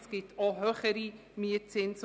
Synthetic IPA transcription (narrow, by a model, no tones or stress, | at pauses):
sɡ̥ɪtʰɔɦøχəɾi | miət͡sɪns